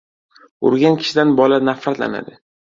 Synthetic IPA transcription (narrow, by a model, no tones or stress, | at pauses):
ʊ̰ɾɡʲankʲʰɪ̥ʃɪd̪anbɒlanafat̪la̰na̰d̪ɪ